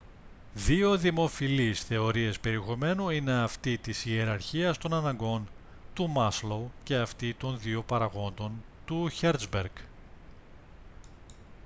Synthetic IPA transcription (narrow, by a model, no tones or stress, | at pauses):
ðio̞ðimo̞filisθe̞o̞ɾie̞spe̞ɾiexo̞me̞nuine̞ɐft̪it̪isieɾɐɾçiɐst̪o̞nɐnɐŋɡo̞n | t̪umɐslowce̞ɐft̪it̪o̞nðio̞pɐɾɐɣo̞nd̪o̞nt̪uçeɾzbeɾɡ